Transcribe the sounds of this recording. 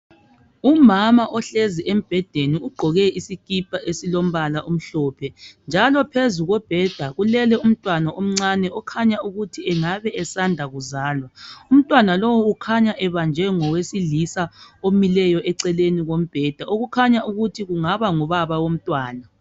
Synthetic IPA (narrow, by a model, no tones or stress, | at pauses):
umamaʔɔɬeziʔem̩b̥ʱɛd̥ʱeniuɡ͡ǃʱɔɣɛisikʼipʰʼaʔesilom̩βalaʔum̩ɬɔːpʰɛnd͡ʒʱalɔpʰezuɣɔb̥ʱɛd̥ʱaɣulɛlɛum̩tʼwanaʔom̩ŋ͡ǀanɛɔkʰaɲauɣutʰiɛŋaβɛʔɛsandʱaɣuzaːlwaum̩tʼwanalowuːkʰaɲaʔɛβand͡ʒʱɛŋɔwesiɮisaomilɛjɔʔɛǀɛleniɣom̩b̥ʱɛd̥ʱaoɣukʰaɲaʔuɣutʰiɣuŋaβaŋɔβaβawom̩tʼwaːna